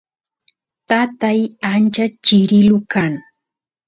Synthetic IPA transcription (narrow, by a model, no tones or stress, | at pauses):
t̪at̪ajant͡ʃat͡ʃɪɾɪlʊkaŋ